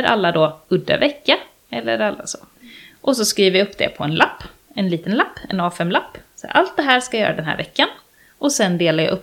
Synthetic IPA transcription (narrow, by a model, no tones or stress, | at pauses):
ɾʔa̰lːad̪oɵd̪ːa̰vɛkːa | ɛlːə̰ɾalːa̰sɔʔɔs̬ɔskɾiːvəɾjaɵpːd̪ɛ̰pʰɔɛnlʔapː | ɛnliːt̪ənlapːɛnɑːfɛmlapːsɔ̰a̰lt̪̚d̪ɛɦæːɾʂkajœ̰ːɾad̪ɛnɦæ̰ːɾvɛkːan | ʔɔsɛnd̪eːlaɾja̰ʔɵpː